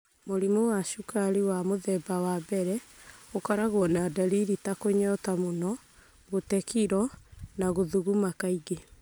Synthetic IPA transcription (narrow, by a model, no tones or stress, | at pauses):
moɾimowaʃukaɾiwamoðɛbawabɛɾɛokɔɾaɣoɔnadaɾiɾitakoɲɔtamonɔ | ɣotɛkiɾɔnaɣoðuɣumakaiɡe